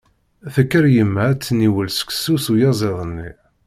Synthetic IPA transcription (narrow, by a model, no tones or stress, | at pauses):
θəkːəɾjəmːæt͡sːniwəlsə̥ksusujɑzˤeðˤənːi